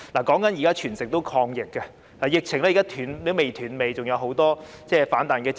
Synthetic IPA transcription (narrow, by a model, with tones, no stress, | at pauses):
laː˨˩kɔː˨˥ŋkɐ˨˥njiː˨˩kaː˥t͡ʃʰyː˨˩nsɪ˨k̚t̪o˥wkʰɔː˧ŋjɪ˨kːɐ˧ | laː˨˩jɪ˨k̚t͡sʰɪ˨˩ŋlɛː˥iː˨kaː˥t̪ʰyː˨˧˥nle˨˥me˨jt̪ʰyː˨˩nme˨jt͡sʊ˨ŋjɐ˨˧wɦo˨˥wt̪ɔː˥t͡sɛː˥˩faː˨˥nt̪aː˨nkɛː˧t͡s